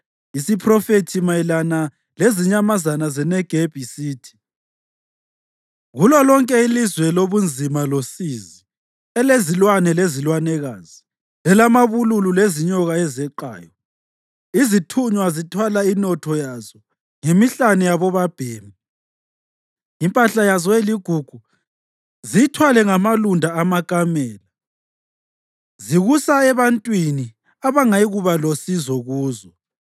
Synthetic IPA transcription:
isipʰrɔfetʰimailana | leziɲamazanazɛnɛɡ̥ʱeb̥ʱisiːtʰi̥ | ɣulɔlɔŋkʼɛilizwɛloβund͡zʱimalosizi | ɛlezilwanɛlezilwanɛɣaːzi | ɛlamaβulululeziɲɔɣaɛzɛǃa̰ːjɔ | izitʰuɲwazitʰwalainɔtʰɔjazɔ | ŋemiɬanɛjaβɔβab̥ʱeːmi | impʼaɬajazɔjeliɡ̥ʱuɡ̥ʱu | zitʰwalɛŋamalundʱaːmakʼamɛːla | ziɣusaɛβantʼwini | aβaŋajiɣuβalosizɔɣuːzɔ

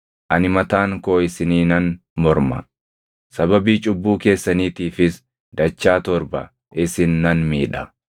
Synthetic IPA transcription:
ʔɐnɪmɐt̪aːŋkoːɪsɪniːnɐn | mɔɾmɐ̰ | sɐbɐbiːt͡ʃʼʊbːuːke̞ːsːɐniːt̪iːfɪs | d̪ɐt͡ʃːaːt̪ɔɾbɐ̰ | ʔɪsɪnːɐnmiːᶑɐ

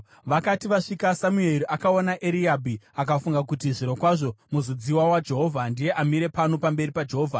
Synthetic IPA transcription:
ʋakatiʋaʂikasamueriʔakaonaʔeɾiabʱiakafuŋɡakutiʐiɾo̞kwaʐo̞muzod͡ziwawad͡ʒe̞ɦo̞vʱandije̞ʔamiɾe̞pano̞pambe̞ripad͡ʒe̞ɦoːvʱa

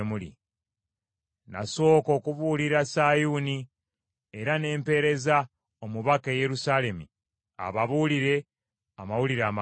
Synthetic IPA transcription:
mulḭ | na̰so̞ːko̞ːkuβuliɾasaːjuːni | e̞ɾane̞ːmpe̞ɾe̞za | omuβakeje̞ɾusaːle̞mu | a̰βaβuliɾe̞ | amawuliɾaːma

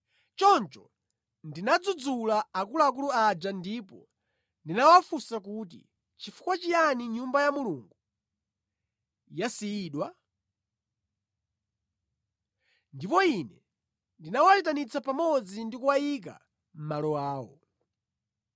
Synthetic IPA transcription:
t͡ʃɔnt͡ʃɔ | ndinad͡zud͡zulaakuluak̬uluad͡ʒandipɔ | ndinawafusak̬ut̬ḭ | t͡ʃifu̥kwat͡ʃijaniɲumbajamuluːŋɡu | jasiiːɗwa | ndipɔinɛ | ndinawalitanit͡sʰapamɔd͡zindikuwajik̬a̰ | m̩malɔaːwɔ̰

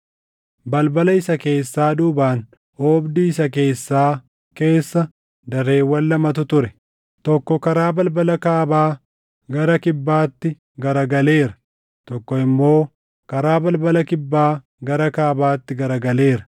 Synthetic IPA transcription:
bɐlbɐlɐɪsɐke̞ːsːaːᶑ̪uːbaːn | oːbd̪iːɪs̬ɐk̬e̞ːsːaː | ke̞ːsːɐ | d̪ɐɾe̞ːwːɐlːɐmɐt̪ʊt̪ʊɾɛ | t̪ɔkːɔkɐɾaːbɐlbɐlɐkaːbaː | ɡɐɾɐkɪbːaːt̪ːɪ | ɡɐɾɐɡɐle̞ːɾɐ̥ | t̪ɔkːɔɪmːo̞ː | kɐɾaːbɐlbɐlɐkɪbːaː | ɡɐɾɐkaːbaːt̪ːɪɡɐɾɐɡɐle̞ːɾɐ̥

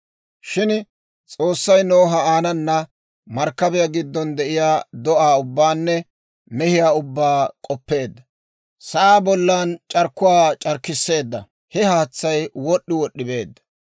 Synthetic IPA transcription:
ʃɪn | t͡sʼo̞ːsːɐjnoːɦɐaːnɐnːɐ | mɐɾkːɐbɛjaɡɪd̪ːɔnd̪ɛʔɪjaːd̪ɔʔaːʊbːaːnːɛ | mɛhɪjaːʊbːaːkʼɔpːe̞ːd̪ːɐ | sɐʔaːbɔlːant͡ʃʼɐɾkːʊwaːt͡ʃʼɐɾkːɪsːe̞ːd̪ːɐ̰ | hɛɦaːt͡sːɐjwɔɗːɪwɔɗːɪbe̞̰ːd̪ːɐ̥

